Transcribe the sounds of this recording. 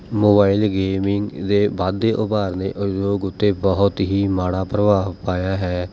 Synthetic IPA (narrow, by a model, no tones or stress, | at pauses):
moːbaːilɡeːmɪŋɡd̪eːbaːd̪ːeːʔʊbaːɾnẽːʔəd͡ʒoːɡʊt̪ːeːbəɦʊt̪ɦiːmaːɽaːpɾəʋaːpaːjaːɦɛː